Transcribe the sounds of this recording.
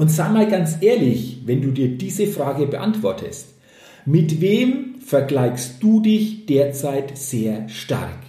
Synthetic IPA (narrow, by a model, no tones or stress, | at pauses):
ʔʊntz̥aɪmaːlɡant͡sʔeːɐlɪçvɛnduːdiːɐdiːzəfʁ̥aːɡəbəʔa̰ntv̥ɔɐtʰə̰st | mɪtveːmfɛɐɡlaɪçst̚d̥uːdɪçd̥eːɐt͡saɪtz̥eːɐʃta̰ʁk